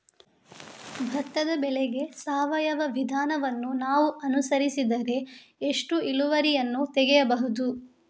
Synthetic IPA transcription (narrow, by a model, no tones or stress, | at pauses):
bʱɐt̪ːɐd̪ɐbɛleɡe̞saːʋɐjɐʋɐʋid̪ʱaːnɐʋɐnːunaːʋuʔɐnusɐɾisid̪ɐɾe̞eʂʈuiluʋɐɾijɐnːut̪ɛɡejɐbɐɦud̪u